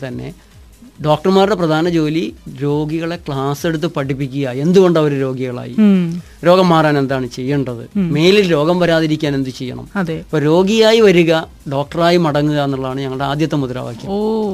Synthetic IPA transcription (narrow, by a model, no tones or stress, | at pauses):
t̪ɐnːe̞̰ | ɖo̞ːk̚ʈɐrmaːrɽe̞prɐd̪ʱaːnɐd͡ʑo̞ːliɾo̞ːɡiɣɐɭe̞kɭaːse̞ɽut̪̬ːɨpɐʈipːikʲːuɣjɐaend̪uɣo̞ɳɖɐʋɐɾuɾo̞ːɡiɣɐɭa̰ːjḭ | ɾo̞ːɡɐmːaːraːne̞nd̪aːɳɨt͡ɕe̞jːɐɳɖɐðɨ̰me̞ːlilɾo̞ːɡɐmʋɐɾaːðiɾikʲːaːne̞nd̪ɨt͡ɕejːɐ̰ɳɐ̰mɐðepːoːɾo̞ːɡijaːjiʋɐɾuɣɐ | ɖo̞ːk̚ʈɐraːjimɐɽɐŋːuɣɐenːuɭːɐaːɳɨɲɐŋːɐɭɖe̞aːd̪jɐt̪ːɐmuðuɾa̰ːʋa̰ːkʲːa̰